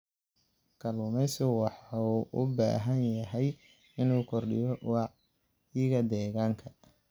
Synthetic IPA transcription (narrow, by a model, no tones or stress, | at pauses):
kʰɐlʊmɛsɪwɑħuʔʊba̰ːɦɐnjɐɦɛj | ɪnuːkʰɔrɖɪ̰jɔwɑ | jɪɣɐd̪ɛːɣaːŋkʰɐ